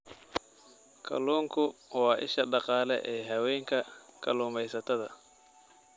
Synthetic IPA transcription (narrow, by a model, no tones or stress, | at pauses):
kʰɐ̰luːŋkʰʊwɑːʔɪ̰ʃɐɖɑqɑːlɛ̰ʔɛːɦɐwɛjŋkʰɐkʰɐ̰luːmɛjsɐt̪ʰɐðɐ